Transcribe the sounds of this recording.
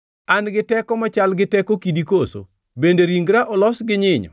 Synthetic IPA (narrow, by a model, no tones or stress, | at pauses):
anɡɪtɛkɔmat͡ʃalɡɪtɛkokidikoso̰ | bendeɾiŋɡɾaʔɔlɔsɡɪɲɪɲɔ̰